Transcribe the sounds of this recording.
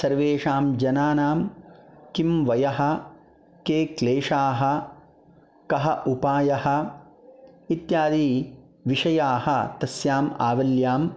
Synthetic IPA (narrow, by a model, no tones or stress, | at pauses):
sɐɾʋeːʂaːmd͡ʒɐnaːnaːmkimʋɐjɐɦɐ̆ | keːkleːʂaːɦɐ̆ | kɐɦɐʔupaːjɐhɐ̆ | it̪jaːd̪iː | ʋiʂɐjaːhɐt̪ɐsjaːmaːʋɐljaːm